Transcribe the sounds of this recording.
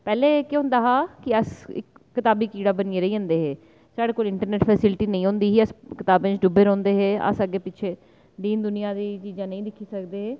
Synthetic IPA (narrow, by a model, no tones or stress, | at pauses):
pɛːleːkeʊ̃nd̪aːɦaːkɪəsɪ̰kːɪt̪aːbiːkiːɽaːbəniːeːɾəiːə̃nd̪eːɦeː | saːɽeːkoːlɪɳʈəɾneːʈpʰɛːsɪlʈiːnəĩːɦõːnd̪iːɦiːəskɪt̪aːbẽt͡ʃɖʊbeːɾɔ̃ːnd̪eːɦeːə̰səɡːeːpɪt͡ʃʰeː | d̪iːnd̪ʊnɪjaːd̪iːt͡ʃiːd͡ʒãːnəĩːd̪ɪkʰːiːsəkd̪eːɦeː